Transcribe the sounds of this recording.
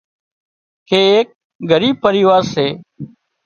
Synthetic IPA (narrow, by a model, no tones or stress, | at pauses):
kʰeːeːk̚ | ɡʱəɾiːb̚pəɾiːʋaːɾseː